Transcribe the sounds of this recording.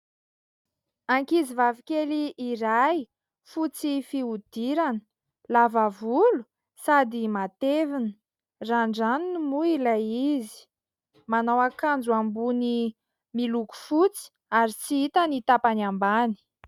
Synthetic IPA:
aŋkizivavikʲeliʔːɾaj | fut͡sifiud̪̥iɾanə̥ | lavavulu̥ | sad̪imat̪evinə̥ | raɳɖ͡ʐaninimuilajizi̥ | manawakand͡zuambuni | miluku̥fut͡si̥ | aɾit͡siit̪anit̪apanambani̥

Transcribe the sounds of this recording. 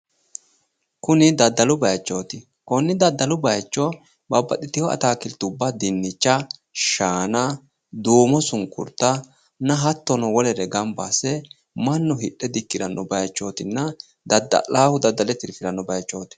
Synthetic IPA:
kʊnɪd̪ɐd̪ːɐlʊbɐjt͡ʃːo̞ːt̪ɪ | kɔnːɪd̪ɐd̪ːɐlʊbɐjt͡ʃːɔ | bɐbːɐ̰t̪ɪt̪ɪhɔɐ̰t̪aːkɪlt̪ːʊbːad̪ɪnːɪt͡ʃːɐʃaːnɐ | d̪uːmɔsʊŋkːʊ̰ɾt̪ːɐ | nɐɦɐt̪ːɔnɔwɔlɛɾɛɡɐmbasɛ | mɐnːɔhɪɗːɛd̪ɪkːɪd̪ɐnːɔbɐjt͡ʃːo̞ːt̪ɪnːɐ | d̪ɐd̪ɐ̰laːhʊd̪ɐd̪ːɐlɛt̪ɪɾfɪɾɐnːɔbɐjt͡ʃːoːt̪ɪ̥

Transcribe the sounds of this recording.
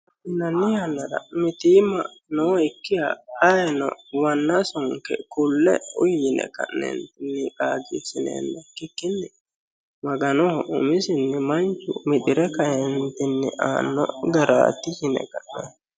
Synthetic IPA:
ɪnɐnːɪjanːɐɾɐ̰mɪt̪iːmɐ̰ | nɔɪkːɪjɐ̰ɐjɛnɔ̰wɐnːɐsɔŋkɛ̰kʊlːɛ̰ʊjɪnɛ̰kɐ̰ʔnɛ̰nt̪ɪnːɪkaːɡisɪnḛːnːɛkːɪkːɪnːɪ | mɐɡɐnɔhɔʊ̰mɪsɪnːɪmɐnt͡ʃːʊ̰mɪᶑ̪ɪɾɛkɐjɛnt̪ɪnːɪ̰ʔa̰ːnːɔ̰ɡɐɾa̰ːt̪ːɪjɪnɛ̰kɐʔnɛ

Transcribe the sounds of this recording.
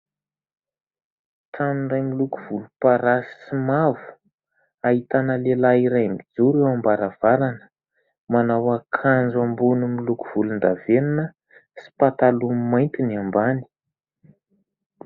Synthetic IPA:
t̪ʰaninrajmiluku̥v̥ulupaɾasi̥simavu̥ | aɦit̪anəlelaiɾajmid͡zuɾewambaɾav̥aɾanə̥ | manawakʰand͡zambunumilukuv̥ulund̪aveninə | si̥pat̪alummajnt̪iniambani̥

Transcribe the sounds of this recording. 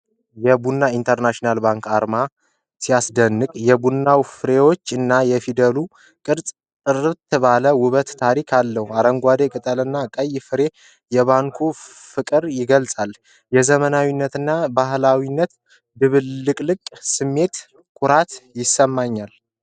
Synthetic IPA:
jɛbunːaint̪ʰəɾnaʃinalbaŋkaɾma | sijasd̪ənːɨkʼjɛbunːawfɨɾe̞wo̞t͡ʃːɨnːajɛfid̪əlu | kʼɨɾsʼ | t̪ʼɨrɨβt̪ʰːɨβaləwʊβət̪ːʰaɾikʰalːəhuaɾəŋɡʷad̪ekʼɨt̪ʼəlɨnːakʼəjfɨɾe̞ | jɛβaŋkʰo | fɨkʼɨɾjɪɡəlsʼal | jɛzəmənawinːət̪ɨnːabaɦlawinːət̪ | d̪ɨβɨlːɨkʼlɨkʼsɨmːe̞t̪ | kʼʊɾat̪jɪsəmːaɲːal

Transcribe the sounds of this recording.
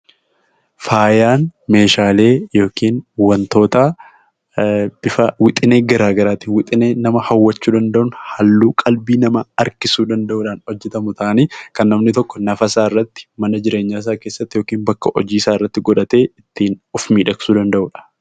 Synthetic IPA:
faːjaːnme̞ːʃaːle̞ːjo̞ːkiːnwɐnt̪o̞ːt̪ɐ | b̥ɪfɐwɪt̪ʼɪne̞ːɡɐɾaːɡɐɾaːt̪iːnwɪt̪ʼɪne̞ːnɐmɐhɐwːɐt͡ʃːuːd̪ɐnd̪ɐʔʊnhɐlːuːkʼɐlbiːnɐmɐɐɾkɪsuːd̪ɐnd̪ɐʔuːᶑaːnɔd͡ʒːɛt̪ɐmʊt̪ʰɐʔɐniːkɐnːɐmnɪt̪ɔkːɔnɐfɐsaːɪrːɐt̪ːɪ̥mɐnɐd͡ʒɪɾe̞ːɲːaːɪs̬aːke̞ːsːɐt̪ːɪjo̞ːkiːnbɐkːɐʔɔd͡ʒiːɪsaːɪrːɐt̪ːɪɡɔᶑɐt̪e̞ːɪt̪ːiːnʊfmiːᶑɐksuːd̪ɐnd̪ɐʔʊːᶑɐ̥

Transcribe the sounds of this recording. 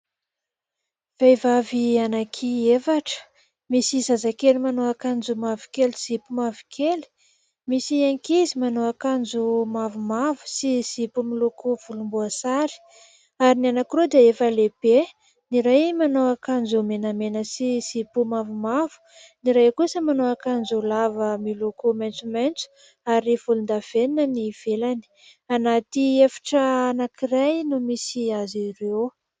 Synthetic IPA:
v̥ejvavianakʰiefaʈ͡ʂə̥ | misizazakelimanoakand͡zumavu̥keliz̥ipumavu̥kʰeli̥ | misiaŋkizimanowakand͡zumavumavu̥siz̥ipumilukʰuv̥ulumbuasaɾi̥ | aɾinianakirod̪iaefəleb̥e | niɾajmanowakand͡zomenamenəsiz̥ipumavumavu̥ | niɾajkusəmanoakanzolavəmilukumajnt͡sumajnt͡su̥ | aɾiv̥ulund̪av̥eninəniv̥elani̥ | anat̪iefḁʈ͡ʂəanakirajnumisiazirew

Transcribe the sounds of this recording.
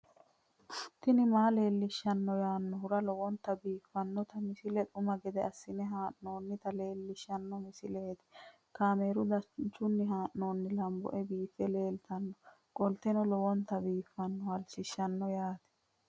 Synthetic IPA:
ʊ̥t̪ːɪnɪmaːle̞ːlːɪʃːɐnːɔjaːnːɔɦʊɾɐlɔwɔnt̪ɐbiːfːɐnːɔt̪ɐmɪsɪlɛt̪ʼʊmɐɡɛd̪ɛɐsːɪnɛɦaːʔno̞ːnːɪt̪ɐle̞ːlːɪʃːɐnːɔmɪsɪleːt̪ɛ̥ | kaːmeːɾʊd̪ɐt͡ʃːʊnːɪɦaːʔno̞ːnːɪlɐmbɔ̰ʔɛbiːfːɛle̞ːlt̪ɐnːɔ | kʼɔlt̪ɛnɔlɔwɔnt̪ɐbiːfːɐnːɔhɐlt͡ʃɪʃːɐnːɔjaːt̪ɛ̥

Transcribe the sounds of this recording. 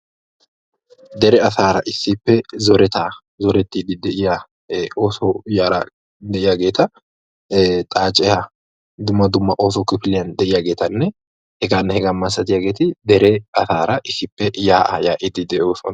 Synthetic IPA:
d̪ɛɾɛɐsaːɾɐʔɪsːɪpːɛzɔɾɛt̪aː | zɔɾɛt̪ːid̪ɪd̪ɛʔɪja | oːsɔjaːɾɐ̰ | d̪ɛʔɪjaɡe̞ːt̪ɐ | t̪ʼaːt͡ʃʼɛhɐ | d̪ʊmːɐd̪ʊmːɐʔoːsɔkɪfɪlɪjɐnd̪ɛʔɪjaɡe̞ːt̪ɐnːɛ | hɛɡaːnːɛhɛɡɐmːɐsɐt̪ɪjaɡeːt̪ɪd̪ɛɾeɐsaːɾɐʔɪsːɪpːɛjaːʔajaːʔɪd̪ɪd̪ɛʔosɔn

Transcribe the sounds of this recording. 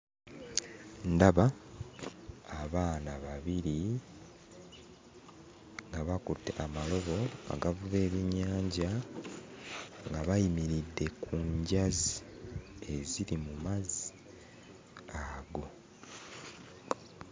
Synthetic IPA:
ndaβa | βaːnaβaβiɾi | ŋɡaβakutːḛʔamalo̞βo̞a̰ɡavuβe̞ːβiɲːaːɲɟa | ŋɡaβajimiɾidːe̞kʰuɲɟazi | e̞ziɾimumazi | aɡo̞

